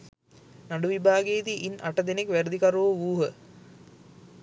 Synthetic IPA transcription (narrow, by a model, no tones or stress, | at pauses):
naɖuʋibʱaːɡeːd̪iʔina̰ʈəd̪enekʋæɾəd̪ikaɾuʋəʋuːɦə